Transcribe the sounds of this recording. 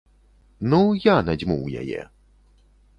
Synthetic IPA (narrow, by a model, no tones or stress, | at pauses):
nujanɛd͡ʑmuwjɛ̰jɛ̰